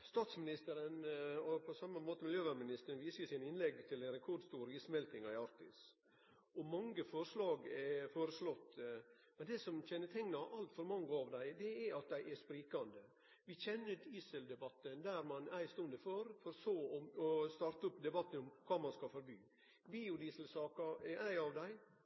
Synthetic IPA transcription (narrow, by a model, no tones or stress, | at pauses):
st̪ɑːt̪smɪnɪst̪əɾənɔpʰɔsɑmːəmoːt̪əmɪljøːʋæmɪnɪst̪əɾənʋiːsəsɪnɪnlɛɡːt̪ʰɪlɛnɾɛkʰɔɖst̪uːɾɪsmɛlt̪ɪŋɑɪɑɾt̪ɪs | ɔmɑŋːəfɔɾʂlɑːɡɛfoːɾəslɔt̪ː | mɛnd̪ɛːsɔmçɛnːət̪ʰɛŋːnɑʔɑlt̪fɔɾmɑŋːəɑʋd̪æɪd̪ɛɛɾɑt̪̚d̪æɪʔɛʂpɾiːkɑnd̪ə | ʋɪçɛnːəd̪iːsəld̪ɛbɑt̪ːənd̪æɾmɑnæɪst̪ʊnd̪əfɔɾfɔɾsoːɔmɔst̪ɑːɾt̪əɔpd̪ɛbɑt̪ːənɔmkʰɑːmɑnskɑfɔɾbyː | biːʊd̪iːslsɑːkɑɛʔæɪɑʋd̪æɪ